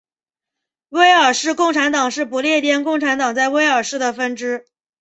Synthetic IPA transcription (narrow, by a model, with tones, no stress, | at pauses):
we˥ɪə˞˨˩ʂɻ̩˥˧kʊ˥˩ŋʈ͡ʂʰa˧˥nt̪ɑ˨˩ŋʂɻ̩˥˩pu˧˥ljɛ˥˧t̪jɛ˥nkʊ˥˩ŋʈ͡ʂʰa˧˥nt̪ɑ˨˩ŋt͡sa˥˩ɪwe˥ɪə˞˨˩ʂɻ̩˥˩d̪ə˩fə˥nʈ͡ʂɻ̩˥